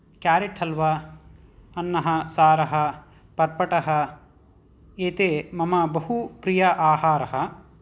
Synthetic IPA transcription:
kjaːɾiʈʰɐlʋɐ | ɐnːɐɦɐsaːɾɐɦɐ | pɐɾpɐʈɐɦɐ | eːt̪eːmɐmɐbɐɦupɾijɐʔaːɦaːɾɐɦɐ

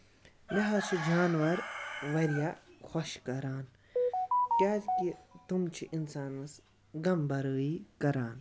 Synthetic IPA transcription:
lɐɦɐt͡ʃʰid͡ʒaːnʋɐɾʋɐɾjaːxʰoʃkɐɾaːn | kʲaːt̪kit̪umt͡ʃʰiʔinsaːnʋɐs | ɡɐmbɐɾəːikɐɾaːn

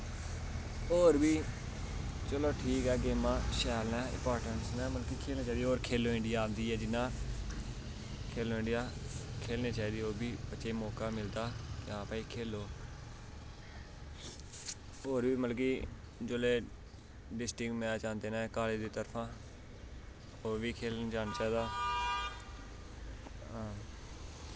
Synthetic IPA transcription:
oːɾbiː | t͡ʃəloːʈʰiːkɛːɡeːmãːʃɛːlnɛ̃ːɪ̰̃paːɾʈənsnɛ̃ːməlkiːkʰeːlneːt͡ʃaːid̪ioːɾkʰeːloːɪ̃ɳɖɪjaːd̪iːɛːd͡ʒɪnːãː | kʰeːloːɪ̃ɳɖɪjaːkʰeːlneːt͡ʃaːiːd̪iːoːbʱiːbətːʃeːmɔːkaːmɪld̪aːkjãːpaːiːkʰeːloː | oːɾʋiːməlk̬iː | d͡ʒoːleː | ɖɪsʈɪkmɛ̃aːt͡ʃãːnd̪eːnãːkaːled̪iːt̪əɾpʰãː | oːʋiːkʰeːlnːt͡ʃaːnaːt͡ʃaːɦiːd̪aː | ɦãː

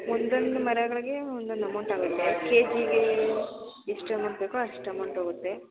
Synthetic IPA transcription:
ond̪ond̪umɐɾeɡɐɭɐɡeond̪und̪ɐmɐɳʈaːɡut̪ːekeːd͡ʒiɡe | isʈɐmɐɳʈbeːkuɐʂʈɐmɐɳʈɦoːɡut̪ːe̞

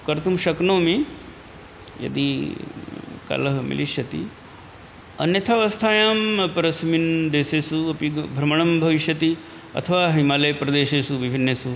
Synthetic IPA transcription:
kɐɾt̪umʃɐknoːmi | jɐ̰d̪i | ka̰lɐɦɐmḭliʃjɐt̪ḭ | ɐ̰njɐt̪ʰaːʋɐst̪ʰaːjaːmpɐɾɐsmind̪eːseːsuɐpibʱɾɐmɐɳ̃ɐmbʱɐʋiʃjɐt̪i | ɐ̰t̪ʰɐʋaːɦimaːlɐjpɾɐd̪eːʃeːsuʋibʱinːeːsu

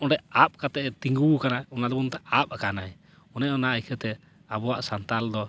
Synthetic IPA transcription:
ɔɖɛʔap̚kat̪ɛʔt̪iŋɡuukanaɔnad̪ɔbɔnt̪ɛap̚akanaj | ɔnɛʔɔnaʔajkʰɛt̪ɛ | abɔwaʔsant̪ald̪ɔ

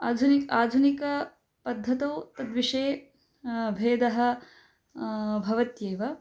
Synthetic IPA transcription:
aːd̪ʱunikaːd̪ʱunikɐ | pɐd̪ʱːɐt̪ɐwt̪ɐd̪ʋiʂeː | bʱeːd̪ɐɦɐ̆ | bʱɐʋɐt̪jeːʋɐ

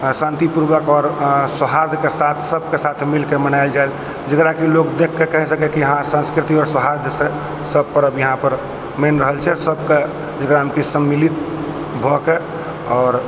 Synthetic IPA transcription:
sãnt̪ipuɾbəkɔɾsəɦaɾd̪ʱkesat̪ʰsəb̚kesat̪ʰmilkemənaɪld͡ʒael | d͡ʒəkɾakilokd̪ekʰːekəɦĩsəkɛkijəɦãsə̃nskɾɪt̪iɔɾsəɦaɾd̪ʱse | səb̚pəɾəbjəɦãpəɾ | menɾəɦəlt͡ʃʰɛsəbke | d͡ʒəkɾaɦəmkisəmːilit̪ | bʱɔke | ɔːɾ

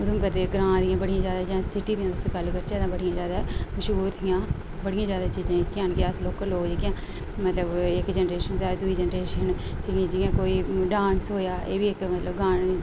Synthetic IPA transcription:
ʊd̪õmkət̪eːɡɾãːd̪ɪjãːbəɽijãːzjaːd̪aːd͡ʒɪjãːsɪʈːiːd̪ijãːd̪ʊst̪õːɡəlːkəɾt͡ʃeːd̪ãːbəɽijãːzjaːd̪aːməʃuːɾt̪ʰijãː | bəɽɪjãːzjaːd̪aːt͡ʃiːd͡ʒãːkɪãːnkeasloːkːloːkd͡ʒekjãː | mət̪ləbɪkd͡ʒɛnɾeːʃənsaːɾed̪ʊiːd͡ʒɛːnɾeːʃən | t͡ʃiɡãːd͡ʒɪjãːkoːiːɖãːnsɦoːjaːʔḛːbiːɪkmət̪ləbɡaːɳ

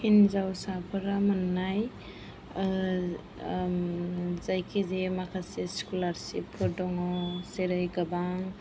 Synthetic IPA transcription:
hinzawsapʰɯɾamɯnːaj | zajkʰizemakʰaseskulaɾsipʰɔdɔŋɔseɾajɡabaŋ

